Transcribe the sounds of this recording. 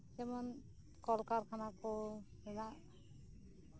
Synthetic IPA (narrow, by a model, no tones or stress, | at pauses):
tɛmɔn | kɔlkaɾkʰanakɔ | ɾɛnaʔ